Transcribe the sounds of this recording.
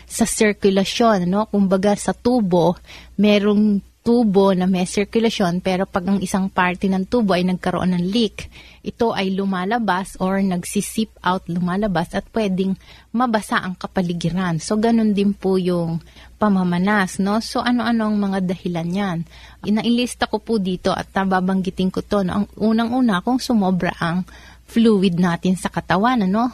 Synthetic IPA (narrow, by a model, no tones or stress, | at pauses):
sɐsɪɹkjʊlɐʃo̞nːo̞kʊmbɐɡasɐt̪uːbo̞mɛːɾoŋt̪uːbo̞nɐmɛsɪɹkjʊlɐʃo̞npɛːɾo̞pɐɡʔɐŋʔɪsaŋpaɹt̪ɛnɐŋt̪uːbo̞ʔɐjnɐɡ̚kɐɾoʔonːɐŋlikʔɪt̪o̞ʔɐjlʊmaːlɐbasʔoɹnɐɡsɪsip̚ʔawt̪lʊmaːlɐbasʔɐt̪̚pwɛːd̪ɪŋ | mɐbɐsaʔɐŋkɐpɐlɪɡɪɾanso̞ɡɐno̞nd̪ɪnpʊjʊŋpɐmɐmɐnasno̞so̞ʔɐno̞ʔɐno̞ʔɐŋmɐŋad̪ɐhɪlanjan | ʔɪnɐʔɪlist̪ɐko̞pʊd̪iːt̪o̞ʔɐ̰t̪̚nɐbaːbɐŋɡɪt̪ɪnkot̪o̞noʔɐŋʔuːnɐŋʔuːnɐkʊŋsʊmobɾɐ̰ʔɐŋ | fluːwɪd̪̚naːt̪ɪnsɐkɐt̪ɐwanɐno̞